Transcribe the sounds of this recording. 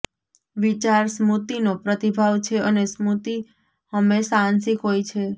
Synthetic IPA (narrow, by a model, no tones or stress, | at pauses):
ʋit͡ʃaɾsmut̪inopɾət̪ibʱaʋt͡ʃʰeənesmut̪i | həmːeʃaãnsikɦojt͡ʃʰe